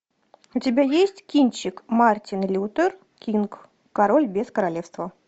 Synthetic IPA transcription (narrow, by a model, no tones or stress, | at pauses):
ʊtʲɪbʲajesʲtʲkʲinʲt͡ɕːɪkmartʲɪnlʲut̪ər | kʲink | kɐɾolʲbʲeskəɾalʲefst̪və